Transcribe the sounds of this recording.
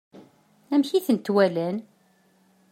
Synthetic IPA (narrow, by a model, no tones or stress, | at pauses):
æmçiθənt̪wælæn